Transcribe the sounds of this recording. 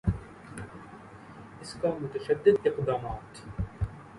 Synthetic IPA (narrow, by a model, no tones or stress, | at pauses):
ɪskaːmʊt̪ɐʃɐd̪ːɪd̪ɪqd̪aːmaːt̪